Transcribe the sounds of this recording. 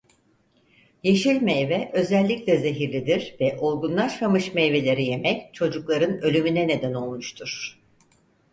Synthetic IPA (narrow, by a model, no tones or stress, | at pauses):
je̞ʃilʲmejvɛʔø̞zɛlʲːicʲlʲɛze̞ɦiɾlʲid̪iɾ̥vɛʔolˠɡunlˠaʃmamɯʃme̞jve̞lʲe̞ɾije̞mɛct͡ʃʰo̞d͡ʒuklˠaɾɯnø̞lʲymynɛne̞d̪æno̞lˠmuʃt̪ʰuɾ̥